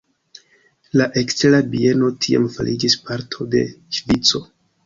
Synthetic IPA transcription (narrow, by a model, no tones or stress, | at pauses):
laʔe̞kst͡se̞labie̞no̞tʰia̰mfa̰lʔid͡ʒispaɾtʰo̞de̞̰ʃvit͡so̞